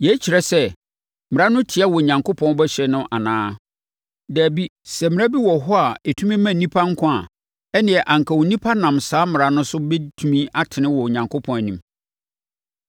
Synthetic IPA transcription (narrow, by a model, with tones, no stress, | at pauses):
jɛ˨˦t͡ɕʰi˨ɾɛ˨sɛ˦ | mɪ̃˨a˦nʊ̃˦tʰɪ˨a˦wɔ˨ɲã˨ŋko˦pʰɔ̃˦n˦bɛ˦ɕᶣɛ˦nʊ̃˦ʔa˨nãː˦ | dæː˨bi˦sɛ˨mɪ̃˨æ˦bi˦wɔ˨ɦɔ˦a˨e˨tʰũ˦mĩ˦mæ̃˨nĩ˦pʰa˦ŋ̩˦kʰʊ̃˦a˨ | ɛ˦nɪ̃˨ɛ˨ʔã˨ŋ˨kʰa˨wo˨nĩ˦pʰa˦nã˨msaː˨˦mɪ˨ɾa˨nʊ̃˦sʊ˦bɛ˦tʰu˦mĩ˦a˦tʰɪ˨nɪ̃˦wɔ˨ɲã˨ŋkʰo˦pʰɔ̃˦n˦nĩ˨m